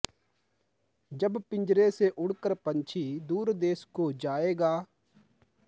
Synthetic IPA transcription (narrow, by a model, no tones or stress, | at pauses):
d͡ʒəbpɪ̃ɲd͡ʒɾeseʔʊɽ̤kəɾpə̃ɲt͡ʃʰid̪uːɾd̪eːskod͡ʒaːeːɡaː